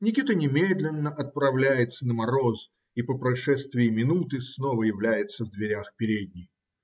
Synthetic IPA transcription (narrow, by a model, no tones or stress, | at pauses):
nʲɪkʲit̪ənʲɪmʲed̪lʲɪnːəʔɐt̪̚pɾɐvlʲæjɪt̪sənəmɐɾoz | ipəpɾɐʂɛst̪vʲɪjɪmʲɪnut̪ɨsnovəjɪvlʲæjɪt̪səvd̪vʲɪɾʲaxpʲɪɾʲed̪̚ʲnʲɪj